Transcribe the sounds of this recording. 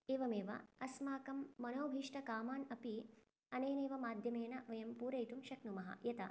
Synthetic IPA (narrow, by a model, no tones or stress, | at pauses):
eːʋɐmeːʋɐ̰ɐsmaːkɐmːɐnoːbʱiːʂʈɐkaːmaːnɐpi | ɐneːneːʋɐmaːd̪ʱjɐmeːnɐʋɐjɐmpuːɾɐjt̪umʃɐknumɐɦɐ̰jɐt̪ɐ̰